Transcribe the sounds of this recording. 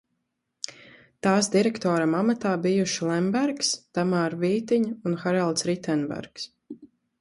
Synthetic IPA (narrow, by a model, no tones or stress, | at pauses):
t̪aːsd̪iɾɛkt̪ɔːɾamamat̪aːbijuʃilˠɛmbæɾkst̪amaːɾviːt̪iɲunxaɾalˠt̪sɾit̪ɛnbæ̰ɾks